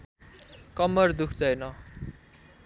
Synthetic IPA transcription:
kʌmʌrd̪ukʰd̪ʌjnʌ

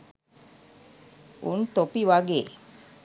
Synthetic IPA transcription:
ṵnt̪opiʋaɡeː

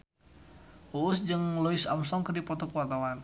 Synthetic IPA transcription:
uːsd͡ʒəŋlɔisamsɔŋkərdipɔt̪ɔkuat̪awan

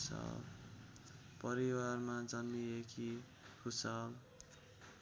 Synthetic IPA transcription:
sʌa̰ | pʌɾiwarmad͡zʌnːiekʰi | kʰusal

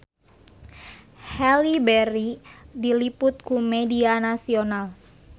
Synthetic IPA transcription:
hɛlibɛɾidilipʊt̪̚kumɛdianasional

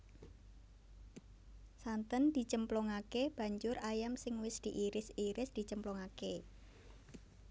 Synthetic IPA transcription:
sant̪ənd̪̥i̤t͡ʃəmplɔŋakeb̥ä̤ɲd͡ʒʊrajamsɪŋwɪsd̪̥i̤ʔiɾɪsiɾɪsd̪̥i̤t͡ʃəmplɔŋake

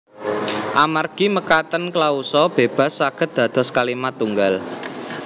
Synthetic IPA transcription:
ʔamarɡ̥i̤məkat̪ənklausɔb̥e̤b̥a̤sːaɡ̥ə̤t̪̚d̪̥ä̤d̪̥ɔ̤skalimat̪uŋɡal

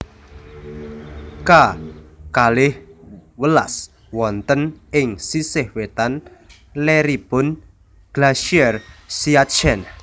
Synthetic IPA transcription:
kakalɪhwəla̰s | wɔnt̪ənɪŋsisɪhwet̪an | leɾib̥ʊn | ɡ̥laʃiɛrsiat͡ʃɛn

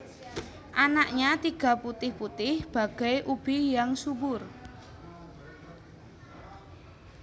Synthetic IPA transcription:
ʔanaʔɲat̪iɡ̥a̤put̪ɪhput̪ɪhb̥a̤ɡ̥a̤jʔub̥i̤jaŋsubʊr

